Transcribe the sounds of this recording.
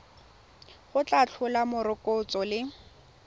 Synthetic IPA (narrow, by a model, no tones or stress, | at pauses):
χʊt͡ɬʼat͡ɬʰʊlamʊɾɪkʼʊt͡sʼɔlɪ